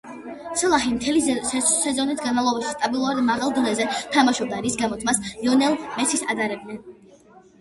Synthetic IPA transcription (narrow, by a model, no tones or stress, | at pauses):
t̪sʰɛlˠaχimt̪ʰɛlisɛzɔnit̪ʰɡanmalˠɔbaʃi̥st̪ʼabilˠuaɾd̪maʁalˠd̪ɔnɛzɛt̪ʰamaʃɔb̚d̪aɾisɡamɔt̪ʰmasjɔnɛlˠmɛt̪sʰisad̪aɾɛb̪̚nɛn